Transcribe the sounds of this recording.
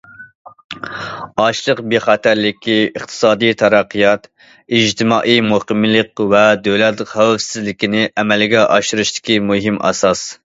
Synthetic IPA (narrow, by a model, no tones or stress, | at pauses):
ɑʃlˠəqbeχɑt̪ʰæɾlɪkʲiəχt̪ʰɨ̥sɑːd̪ɨjt̪ʰɑɾɑqʰːɨjɑt̪ | id͡ʒt̪ʰɪmɑːʔijmuqəmlˠəqvɛd̪øwlɛt̪ləqhæwɛfsɪzlɪkʲinɪʔɛmɛlɡʲɛʔɑ̰ʃuɾuʃt̪ɪ̥kʲimuɦimʔɑ̰sɑs